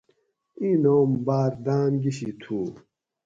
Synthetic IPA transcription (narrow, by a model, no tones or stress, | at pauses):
inoːmbaːɾd̪aːnɡiɕit̪ʰuː